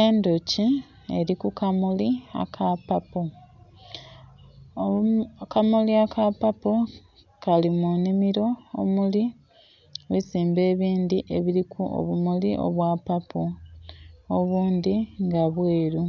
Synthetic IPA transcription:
eːndoci | e̞ɾikukamulia̰kʰapapo | kamuliakapapo | kalimunimiɾo̞o̰muli | βiziːmbe̞ːβiːnd̪iʔe̞βiɾikʰuʔo̰βumuliʔo̞̰βwapapo | oβuːnd̪iŋɡaβweːɾu

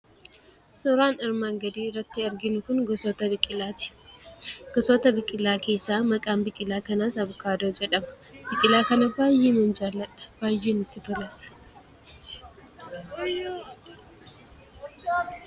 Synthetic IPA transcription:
sɔɾaːnɐɾmaːŋɡɐd̪iːrːɐt̪ːɪɐɾɡɪnʊkʊnɡɔsɔt̪ɐbɪkʼɪlaːt̪ɪ̥ | ɡ̥ɔsɔt̪ɐbɪkʼːɪlːaːke̞ːsːaːmɐkʼaːmbɪkʼːɪlːaːkɐnaːsɐbʊkaːd̪oːd͡ʒɛᶑɐmɐ̥ | bɪkʼɪlaːkɐnɐbaːjːiːmɛnd͡ʒaːlːɐᶑɐ̥b̥aːjːiːnɪt̪ːɪt̪ɔlɛs

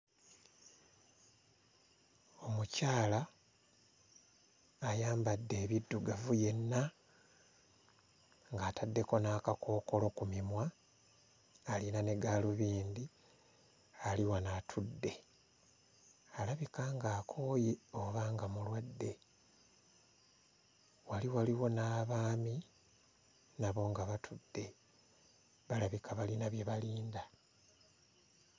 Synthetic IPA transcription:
o̞mucaːla | jaːmbadːe̞ːβidːuɡavuje̞nːa | ŋɡaːtadːe̞ko̞naːkako̞ːko̞lo̞kumimwa | linane̞ɡaːluβiːnd̪i | aliwanatʰudːe̞ | alaβikaŋɡaːkʰoːjeoβaːŋɡamulwadːe̞ | waliwaliwo̞naːβaːmi | naβo̞ːŋɡaβatʰudːe̞ | βalaβikʰaβalinaβje̞βaliːnda

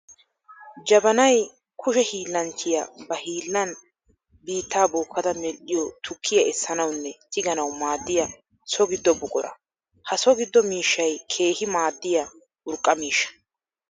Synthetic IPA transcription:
d͡ʒɐbɐnɐj | kʰʊʃɛhiːlːɐnt͡ʃʰːɪjɐ̰bɐhiːlːɐn | biːt̪ːaːbɔːkʰːɐd̪ɐmɛlʔɪjɔt̪ʰʊkʰːɪjɐɛsːɐnɐwnːɛt̪ɪɡɐnɐwmaːd̪ːɪjɐ | sɔɡɪd̪ːɔbʊkʼɔɾɐ̰ | hɐsɔɡɪd̪ːɔmiːʃːɐjkʰe̞ːhɪmaːd̪ːɪjɐ | ʔʊɾkʼːɐmiːʃɐ̥

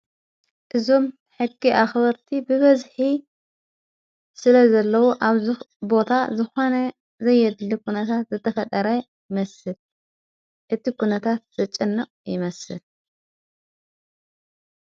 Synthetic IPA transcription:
ʔɨzo̞m | ħɨɡːiʔaxbɐɾt̪ʰibɨβɐzħi | sɨlɐzɐlːɐwuʔaβzbo̞t̪ʰazɨxo̞nɐ | zɐjːɛd̪lːikʰunɐt̪ʰat̪zɨt̪ʰːɐfɐt̪ʼɐɾɐjmɐsɨl | ʔɨt̪ikʰunɐt̪ʰat̪̚z̥ɐt͡ʃʼɨnːɨqʼjɪmɐsɨl

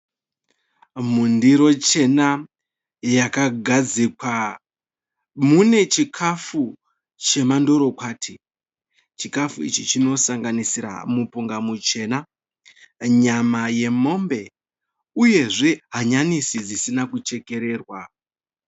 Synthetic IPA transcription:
mundiɾo̞t͡ʃe̞na | jakaɡʱad͡zikwa | mune̞t͡ʃikʰafu | t͡ʃe̞mando̞ɾo̞kwaːtʰi | t͡ʃikafuḭt͡ʃit͡ʃino̞saŋɡanisiɾa̰mupuŋɡamut͡ʃe̞ːna | ɲamaje̞mo̞mbe̞ | uje̞ʐe̞ɦaɲanisid͡zisinakut͡ʃe̞ke̞ɾe̞ːrwa

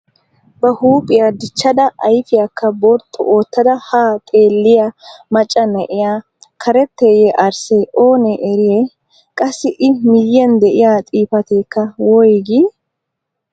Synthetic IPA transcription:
bɐhuːpʼɪjad̪ɪt͡ʃːɐd̪ɐʔɐjfɪjakːɐbɔɾt̪ʰːɔ̰ʔoːt̪ːɐd̪ɐhaːt̪ʼeːlːɪjɐmɐt͡ʃʼːɐnɛʔɪjaː | kʰɐɾɛt̪ːeːjɛʔɐɾseːʔo̞ːnɛʔːɾɪjeː | kʼɐsːɪʔɪmɪjːɛnd̪ɛʔɪjaːt̪ʼiːfɐt̪eːkːɐwɔjɡɪ

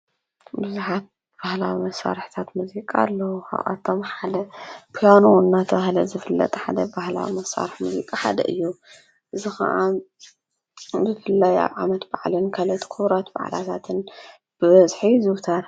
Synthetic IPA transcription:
bɨzuħat̪̚ | b̥ahlawimɐsːa̰ɾħt̪ʰat̪muzikʼalːɐwukʰa̰ʔʔa̰t̪ʰːomħalɐpʰijanunːat̪ʰɐβahlɐzɨfɨlːɐ̰t̪ʼħad̪ɐbahla̰wḭmɐsːa̰ɾɨħmuzḭkʼaħa̰d̪ɐ̰ʔɨjːu | ʔɨzixɐ̰ʔa | zɨfɨlːaja̰βʕamɐt̪baʕlɨnkʰɐlɐt̪kʰuβɾat̪ba̰ʕla̰t̪ʰat̪ʰɨn | b̥ɨβɐzħizɨwt̪ʰɐɾ

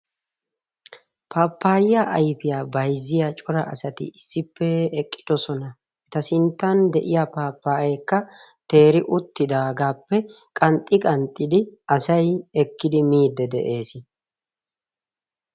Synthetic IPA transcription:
pʰaːpːaːjjaʔɐjpɪjaːbɐjzːɪjat͡ʃʼʊɾɐ̰ʔɐ̰sɐt̪ɪ̰ɪsːɪpːɛɛkʼːɪd̪̥ɔsɔnɐ | ʔɛt̪ɐsɪnt̪ːɐnd̪ɛʔɪjapaːpːaːɛkːɐ | t̪e̞ːɾɪʔʊt̪ːɪd̪aːɡaːpːɛ | kʼɐnt̪ʼːɪkʼɐnt̪ʼːɪd̪ɪɐsɐjɛkːɪd̪ɪmiːd̪ːɛd̪ɛ̰ʔe̞ːsɪ

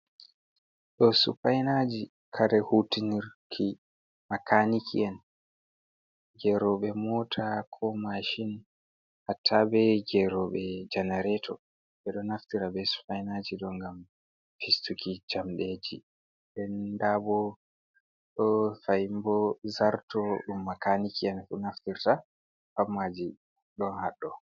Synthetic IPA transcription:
ɗɔsṵfajnad͡ʒi | kʰaɾɛhutiniɾkʰi | makʰanikʰḭɛn | d͡ʒɛɾɔɓɛmɔːtʰakʰɔmaʃin | hatʰːabɛd͡ʒɛɾɔɓɛd͡ʒanaɾɛtʰɔ | ɓɛɗɔnaftiɾabɛsfajnad͡ʒiɗɔŋɡam | fistukid͡ʒamɗed͡ʒi | ɗɛndabɔ | ɗɔfajmbɔzaɾtɔɗumːakanikʰiɛnfunaftiɾta | famːad͡ʒi | ɗɔnhaɗːɔ

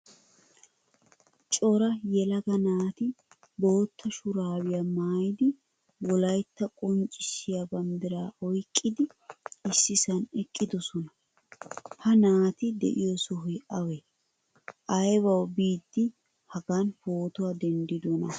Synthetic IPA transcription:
t͡ʃʼɔɾɐjɛlɐɡɐnaːt̪ɪ | bo̞ːt̪ʰːɐʃʊɾaːwɪjamaːjɪd̪ɪ | wɔlɐjt̪ːɐkʼɔnt͡ʃʼːɪʃɪjabɐnd̪ɪɾaːʔɔjkʼːɪd̪ɪ | ɪsːɪsɐnɛkʼːɪd̪ɔsɔnɐ | hɐnaːt̪ɪd̪ɛ̰ʔɪjɔsɔɦʊjʔɐwɛ | ʔɐjbɐwbiːd̪ːɪ | hɐɡanfoːt̪ʊad̪ɛnd̪ɪd̪ɔnɐ

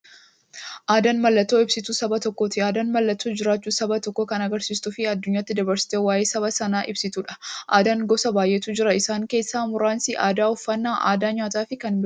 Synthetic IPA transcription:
ʔaːd̪ɐnmɐlːɐt̪ːo̞ːɪbsɪt̪uːsɐbɐt̪ɔkːoːt̪ɪaːd̪ɐnmɐlːɐt̪ːuːd͡ʒɪɾaːt͡ʃːuːsɐbɐt̪ɔkːoːkɐnɐɡɐɾsiːst̪ʊfɪɐd̪ːʊɲːaːt̪ːɪd̪ɐbɐɾsɪ̥t̪eːwaːjeːsɐβɐsɐnaːʔɪ̰bsɪt̪uːᶑɐ̥ʔaːd̪ɐŋɡɔsɐbaːjʔet̪uːd͡ʒɪɾɐɪsaːŋke̞ːsːaːmʊɾaːnsɪʔaːd̪aːɔfːɐnːaːʔa̰ːd̪aːɲaːt̪aːfɪkɐnbɪ

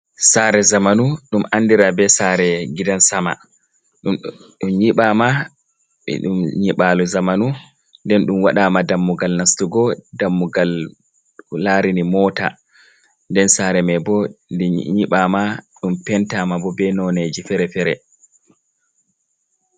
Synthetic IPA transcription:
saːɾɛzamanuɗumʔanːdiɾabɛsaːɾɛɡidansama̰ | ɗumɲiɓaːma | ɛ̰ɗṵmɲiɓaluzamanu | ndɛnɗumwaɗaːmadamːuɡalnastuɡɔdamːuɡalː | aːɾinimɔːta̰ | ndɛnsaːɾɛmɛbɔ | ɲiɓaːmaɗumpɛntaːmabɔbɛnɔned͡ʒifɛɾɛfɛɾɛ̰

